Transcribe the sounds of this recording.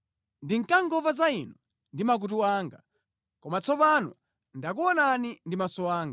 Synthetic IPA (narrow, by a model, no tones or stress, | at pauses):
ndiŋkaŋɡɔvazainɔ | ndimak̬utuwaːŋɡa | kɔmat͡sʰɔpanṵ | ndak̬uɔnanindimasɔwaːŋɡa